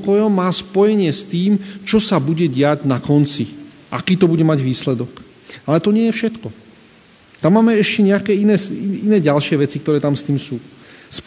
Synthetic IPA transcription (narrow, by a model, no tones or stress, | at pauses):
kɔjɔmːaːspɔjɛɲɪɛst̪iːmt͡ʃɔsabuɟɛɟɪaɟnakɔnt͡si | ʔakiːt̪ɔbuɟɛmaɟʋiːslɛd̪ɔk | alɛt̪ɔɲɪɛjɛfʃɛt̪kɔ | t̪amːaːmɛɛʃcɛɲɛakɛːinɛːinɛːɟalʃɪɛʋɛt͡sikt̪ɔɾɛːt̪amst̪iːmsuː | s